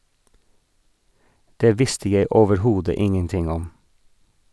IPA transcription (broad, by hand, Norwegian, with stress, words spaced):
ˈdeː ˈʋɪstə ˈjæɪ oːʋəɾˈhuːdə ˈɪŋənˌtɪŋ ˈɔm